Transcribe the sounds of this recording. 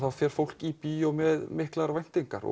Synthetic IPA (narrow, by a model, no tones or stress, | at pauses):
θaðfjɛɾ̥fowl̥kipiːjɔmɛðmɪhklaɾvajn̥t̪iŋkaɾɔ̰